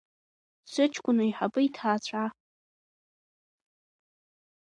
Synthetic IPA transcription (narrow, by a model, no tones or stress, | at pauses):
sʷɨt͡ʃʰkʷʼʊnɨiħapʼɨitʰaːt͡ɕʷʰa